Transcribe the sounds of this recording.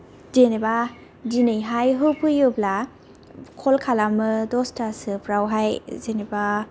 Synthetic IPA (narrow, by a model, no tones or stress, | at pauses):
zeneba | dinɯjɦajɦɯpʰɯjɯbla | kʰɔlkʰalamɯdɔstasɯpʰɾawɦajzeneba